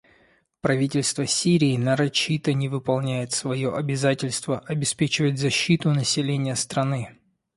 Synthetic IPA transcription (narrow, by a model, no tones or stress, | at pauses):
pɾɐvʲitʲɪlʲst̪vəsʲiɾʲɪːnəɾɐt͡ɕːit̪ənʲɪvɨpɐlˠnʲæjɪt̪svɐjoʔɐbʲɪzatʲɪlʲst̪vəʔɐbʲɪspʲet͡ɕɪvətʲzɐɕːit̪ʊnəsʲɪlʲenʲɪjəst̪ɾɐnɨ